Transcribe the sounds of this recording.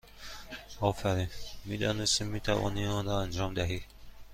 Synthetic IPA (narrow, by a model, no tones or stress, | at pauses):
ɒːfæɾinmid̪ɒːnest̪imːit̪ʰævɒ̰niɔnɾɔænd͡ʒɒmd̪æɦi